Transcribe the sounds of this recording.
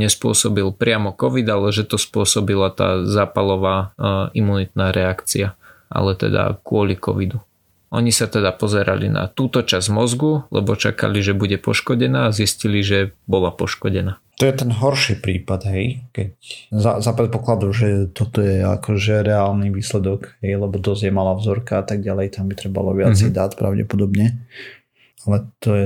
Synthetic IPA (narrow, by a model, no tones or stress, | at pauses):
ɲɛspʊɔsɔbilpɾɪamɔkɔʋid̪alɛʒɛt̪ɔspʊɔsɔbilat̪a̰ːzaːpalɔʋaːimunit̪naːɾɛakt͡siaʔa̰lɛt̪ɛ̰d̪a̰kʊɔlikɔ̰ʋid̪u | ɔɲisat̪ɛd̪apɔzɛɾa̰lḭna̰t̪uːt̪ɔt͡ʃazmɔzɡulɛ̰bɔt͡ʃa̰ka̰liʒɛbuɟɛpɔʃkɔɟɛnaːzisciliʒɛbɔlapɔʃkɔɟɛnaːt̪ɔjɛt̪ɛnɦɔɾʃiːpɾiːpad̪ɦɛjkɛczazapɾɛt̪̚pɔklad̪ɔʒɛt̪ɔt̪ɔjɛa̰kʰɔʒɛɾɛaːlniʋiːslɛd̪ɔɡɦɛjlɛbɔd̪ɔzjɛmaːlavzɔɾkaat̪aɡ̚ɟalɛjt̪ambit̪ɾɛba̰lɔʋɪat͡sɛjd̪at̪pɾa̰ʊɟɛ̰pɔd̪ɔbɲɛ | alɛt̪ɔjɛ